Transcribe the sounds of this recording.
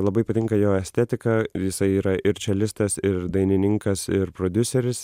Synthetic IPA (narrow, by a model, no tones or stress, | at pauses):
lˠɐbɐɪpɐt̪ʲɪŋkɐjoːɛsʲt̪ʲɛt̪ʲɪkɑjɪsɐɪiːɾɐʔɪɾt͡ʃʲɛlʲɪst̪ɐsɪɾd̪ɐɪnʲɪnʲɪŋkɐsɪɾpɾoːd̪ʲʊsʲɛɾʲɪs